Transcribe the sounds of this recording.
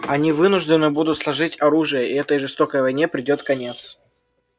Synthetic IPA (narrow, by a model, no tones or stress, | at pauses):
ɐnʲivɨnʊʐd̪ɪnːɨbud̪ʊt̪slˠɐʐɨtʲɐɾuʐɨjəɪɛt̪əjʐɨst̪o̞kəjvɐjnʲepɾʲɪdʲo̞t̪kɐnʲe̞t̪s